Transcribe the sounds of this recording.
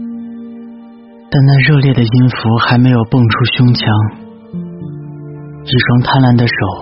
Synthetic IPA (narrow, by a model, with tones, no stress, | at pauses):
t̪a˥˧nna˥˧ɻɤ˥˧ljɛ˥˩d̪ə˩i˥nfu˧˥xa˧˥ɪme˧˥ɪjo˨˩ʊpɤ˥˩ŋʈ͡ʂʰu˥ɕjʊ˥ŋt͡ɕʰjɑ˧˥ŋ | i˥˩ʂwɑ˥ŋt̪ʰa˥nla˧˥nd̪ə˧ʂo˨˩˦ʊ